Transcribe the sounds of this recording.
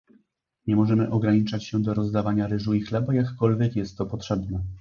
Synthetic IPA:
ɲɛmɔʐɛmɘʔɔɡɾaɲit͡ʂat͡ɕɕɛd̪ɔɾɔzd̪avaɲaɾɘʐuixlɛbajakːɔlvʲjɛkjɛst̪ːɔpɔt̪ʂɛbnɛ

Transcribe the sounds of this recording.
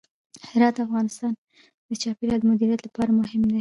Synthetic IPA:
hɪɾɑt̪afɣɑnɪst̪ɑn | d̪̥ət͡ʃɑpeɾɑd̪əmʊd̪iɾijat̪lapɑɾamʊhɪmd̪e

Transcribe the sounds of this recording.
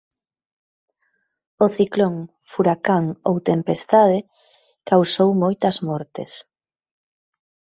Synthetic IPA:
oθikloŋ | fuɾakaŋowt̪empest̪aðɪ | kawsowmojt̪ɐzmɔɾt̪ɪ̰s

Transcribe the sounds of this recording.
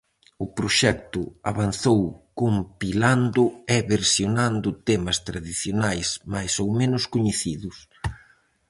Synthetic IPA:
ʊpɾoʃɛk̚t̪ʊaβanθowkompiland̪ʊɛβeɾsjonand̪ʊt̪ɛmɐst̪ɾaðiθjonajsmajsowmẽnʊskoɲeθiðʊs

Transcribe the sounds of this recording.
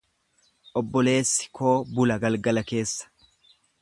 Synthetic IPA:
ʔɔbːɔle̞ːsːɪ̥kʰo̞ːbʊlɐɡɐlɡɐlɐke̞ːsːɐ̥

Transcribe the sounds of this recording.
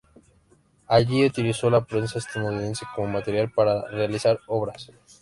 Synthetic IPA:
aʝiut̪iliso̞lapɾe̞nsaest̪anuðine̞nseko̞momat̪eɾjalpaɾarealisaɾo̞βɾas

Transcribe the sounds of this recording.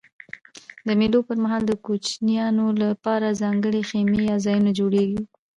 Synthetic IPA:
d̪əmelopəɾmaɦɑld̪əkut͡ʃnijɑnolapɑɾazɑŋɡəɽexemejɑzɑjunod͡ʒoɽeɡi

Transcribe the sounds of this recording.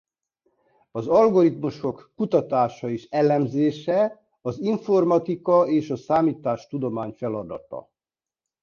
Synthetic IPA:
ɒzɒlɡo̞ɾit̪muʃo̞kːut̪ɒt̪aːʃɒeːʃɛlɛmzeːʃɛ | ɒziɱfo̞rmɒt̪ikɒeːʃɒsaːmiːt̪aːʃt̪ud̪o̞maːɲfɛlɒd̪ɒ̰t̪ɒ̰

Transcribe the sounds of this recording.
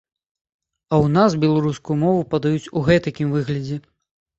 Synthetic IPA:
ɐwnasbʲɛlˠaɾuskujumɔvupɐd̪ɐjut͡sʲuɣɛt̪ɐkʲimvɨɣlʲɐd͡zʲɛ

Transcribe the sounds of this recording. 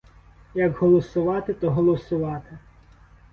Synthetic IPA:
jɐɡɦɔlˠɔsʊʋɑt̪ɪt̪ɔɦɔlˠɔsʊʋɑt̪ɪ

